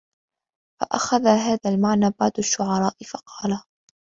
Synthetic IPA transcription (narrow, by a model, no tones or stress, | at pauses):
fa̰ʔaxaðaːɦaːðaːlmaʕnaːbɑʕd̪aʃːʊʕɑɾˤɑːʔɪfɑqʰɑːla